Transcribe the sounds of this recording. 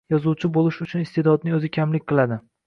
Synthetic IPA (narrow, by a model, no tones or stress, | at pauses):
jɒzuwt͡ʃʰɪbolˠɪʃʊt͡ʃʰʊnɪst̪ʰed̪ɒd̪̚nɪŋɵzɪkʲʰamlɪkʲqʰɨlˠad̪ɪ